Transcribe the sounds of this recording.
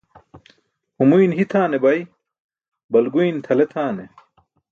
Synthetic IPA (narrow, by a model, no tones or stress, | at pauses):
humujnɦit̪ʰaːnebɐj | bɐlɡujnt̪ʰɐlet̪ʰaːne